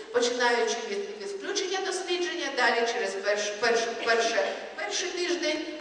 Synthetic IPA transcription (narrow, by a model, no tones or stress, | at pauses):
pɔt͡ʃɪnɑjʊt͡ʃɪʋʲid̪iʋʲɪklʲut͡ʃenʲːɐd̪ɔsʲlʲid͡ʒenʲːɐd̪ɑlʲit͡ʃɛɾɛspɛʃpɛrʃʊpɛrʃɛ | pɛrʂɪjt̪ɪʒd̪ʲenʲ